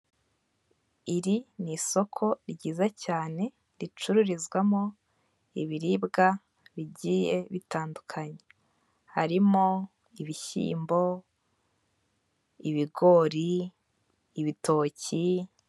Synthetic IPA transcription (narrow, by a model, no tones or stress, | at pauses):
iɾiniso̞kʰo̞ɾɟiːzacaːne̞ | ɾit͡ʃuɾuɾizɡwamo̞ | iβiɾibɡa | βiɟije̞βitaːndukʰaɲe̞ | haɾimo | iβiçḭːmbo̞ | iβiɡo̞ɾiː | βito̞ːci